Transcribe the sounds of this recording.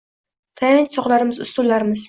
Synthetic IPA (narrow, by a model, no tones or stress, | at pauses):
t̪ʰajɪ̃nsɒχlaɾɪmɪzʊ̰st̪ʊlːaɾɪmɪz̥